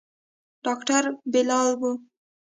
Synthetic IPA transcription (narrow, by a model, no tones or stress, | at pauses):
ɖ̥ɑkʈaɾbɪlɑlbu